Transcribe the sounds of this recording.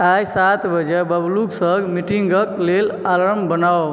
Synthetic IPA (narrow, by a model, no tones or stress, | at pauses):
ajsat̪bəd͡ʒɛbəbluɡsəɡmiʈiŋɡəklelaləɾmbənaw